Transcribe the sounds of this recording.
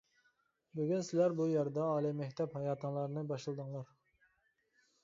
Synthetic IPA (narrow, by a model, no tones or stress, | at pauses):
byɡʲynsɪlæɾbujæɾd̪ɑːlˠijmɛkʲt̪ʰɛphɑjɑːt̪ʰɨŋlˠɑɾnɨbɑʃlˠɨd̪ɨŋlˠɑɾ